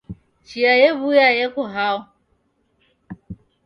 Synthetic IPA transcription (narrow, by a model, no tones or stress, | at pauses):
t͡ʃiajebujajekʷʊɦaʊ